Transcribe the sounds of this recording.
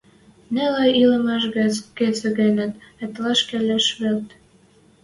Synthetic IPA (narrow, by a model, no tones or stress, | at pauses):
nelɑjilə̆mɑʃɣæt͡sket͡sɘ̆ɣenə̆nĕt̪lɑʃkelʲæʃβelt̪